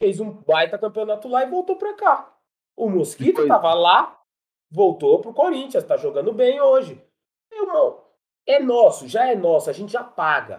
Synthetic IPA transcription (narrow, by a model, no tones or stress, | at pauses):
fejzũbajt̪ɐkɐ̃mpionat̪ʊlaɪvowt̪opɾaka | ʊmoskit̪ʊt̪avɐla | vowt̪opɾʊkoɾĩt͡ʃiɐst̪aʒoɡɐ̃nd̪ʊbẽj̃oʒɪ | mewmɐ̃w̃ | ɛnɔsʊʒaɛnɔsʊaʒẽnt͡ʃɪʒapaɡɐ̰